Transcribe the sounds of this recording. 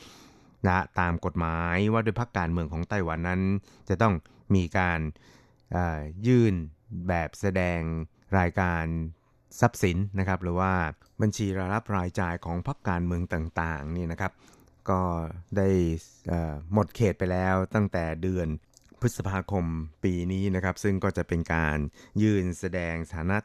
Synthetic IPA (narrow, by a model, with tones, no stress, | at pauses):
la˧˩t̪aː˧mko˨˩t̪̚maː˩˦jwaː˥˩dou˥˩jpʰa˦˥kːaː˧nmɯ˧əŋkʰɔː˩˦ŋt̪a˧˩jwa˧nːa˦˥n | t͡ɕa˨˩t̪ɔ˥˩ŋ | miː˧kaː˧n | ʔaː˨˩jɯː˥˩nbɛː˨˩p̚sa˧dɛː˧ŋ | ɾaː˧jkaː˧n | sa˦˥p̚si˩˦nːa˦˥kʰa˦˥p̚ɾɯː˩˦waː˥˩ | ba˧nt͡ɕʰiː˧ɾa˧ɾa˦˥p̚ɾaː˧jt͡ɕaː˧jkʰɔː˩˦ŋpʰa˦˥kːaː˧nmɯ˧əŋt̪aː˨˩ŋt̪aː˨˩ŋniː˥˩na˦˥kʰa˦˥p̚ | kɔː˥˩da˥˩j | ʔəː˨˩mo˨˩t̪̚kʰeː˨˩t̪̚pa˧jlɛː˦˥wt̪a˥˩ŋt̪ɛː˨˩dɯ˧ənpʰɯ˦˥t̪̚sa˧pʰaː˧kʰo˧mpiː˧niː˦˥na˦˥kʰa˦˥p̚sɯ˥˩ŋkɔː˥˩t͡ɕa˨˩ʔpe˧nka̰ː˧njɯː˥˩nsa˧dɛː˧ŋsʰaː˩˦na˦˥